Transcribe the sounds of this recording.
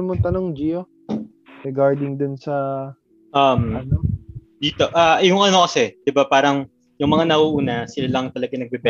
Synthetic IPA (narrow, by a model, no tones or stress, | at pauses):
mʊŋt̪ɐnoŋd͡ʒijo | ɾɛɡaɹd̪ɪŋd̪ʊnsɐ | ʔamnod̪iːt̪o̞ʔajʊŋʔɐno̞kɐsɛd̪̥ɪbapaːɾɐŋ | jʊŋmɐŋanɐʔuːʔuːnɐsɪlalɐŋt̪ɐlɐɡɐnɐɡ̚bɛbɛ